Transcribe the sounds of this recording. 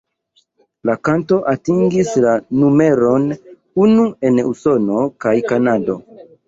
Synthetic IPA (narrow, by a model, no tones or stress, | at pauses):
lakanto̞ʔatiŋɡislanume̞ɾo̞n | unue̞nuso̞no̞kajkanado̞